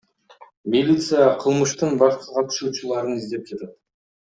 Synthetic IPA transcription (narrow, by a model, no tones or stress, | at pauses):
milʲit̪sɨjaqʰəlˠməʃt̪əɴbɑqt̪əzʁɑt̪ʰʏ̥ʃuʃɪlˠɑɾənɪzd̪e̞p̚kʲʰe̞t̪ed̪